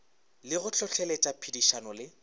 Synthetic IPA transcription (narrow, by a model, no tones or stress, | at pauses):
lɪɣʊt͡ɬʰɔt͡ɬʰɛletʼapʰidiʃanɔlɪ